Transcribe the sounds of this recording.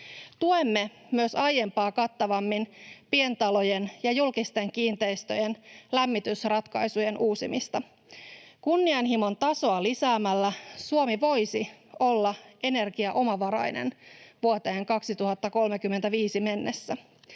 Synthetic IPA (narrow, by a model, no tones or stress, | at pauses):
t̪uemːe̞ | myøsɑje̞mpɑːkɑt̪ːɑʋɑmːinpie̞nt̪ɑlo̞jenjɑjulkist̪e̞ŋkiːnt̪e̞ist̪ø̞jenlæmːit̪ysrɑt̪kɑjsuje̞nʔuːsimist̪ɑ | kunːiɑnɦimo̞nt̪ɑso̞ɑlisæːmælːæsuomiʋo̞jsio̞lːɑʔe̞ne̞rɡiɑʔo̞mɑʋɑɾɑ̰jnḛnʋuot̪e̞ːŋkɑksit̪uɦɑt̪ːɑko̞lmekymːent̪æʋiːsime̞nːesːæ